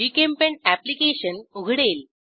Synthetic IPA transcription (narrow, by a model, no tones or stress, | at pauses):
ikempẽɳæplikeɕənuɡʱɽeːl